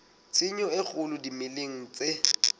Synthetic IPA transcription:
t͡sɪɲɔɪk͡xʰʊlʊdimɪleŋ̩t͡se

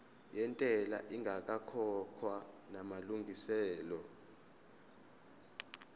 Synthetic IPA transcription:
jɛntʼɛlaʔiŋɡʱak̬ʼakʰɔkʰwa | namaluŋɡʱisɛːlɔ

